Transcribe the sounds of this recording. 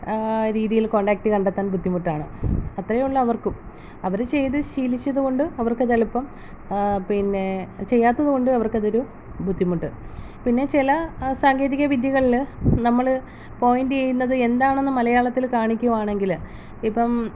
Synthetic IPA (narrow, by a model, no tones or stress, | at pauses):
ɾiːðijilko̞ːɳɖaːk̚ʈɨkɐɳɖet̪ːaːnbʱud̪ʱːimuʈːaːɳɨɐt̪rɐjɐuɭːɐːʋɐrkɨm | ɐʋɐɾɨt͡ɕe̞jt̪ɨɕiːlit͡ɕːɐðuɣo̞ɳɖɨɐʋɐrkɐðɐɭipːɐm | pinːe̞t͡ɕe̞jːaːt̪ːɐðuɣo̞ɳɖɨɐʋɐrkɐðo̞ɾu | bʱud̪ʱːimuʈːɨ | pinːe̞t͡ɕilɐsaːŋɡɐːɾiɣɐʋid̪jɐɣɐɭilnɐmːɐɭ | po̞ːjinɖɨjejunːɐðɨe̞nd̪aːɳe̞nːɨmɐlɐjaːɭɐt̪ːilkaːɳikʲːuɣɐmaːɳe̞ŋɡil | ipːɐm